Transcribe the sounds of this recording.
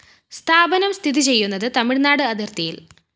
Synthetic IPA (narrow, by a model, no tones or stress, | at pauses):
st̪ʰaːbɐnɐmst̪ʰiðit͡ɕe̞jːunːɐðɨt̪ɐmiɭnaːɽɨɐd̪irt̪ijil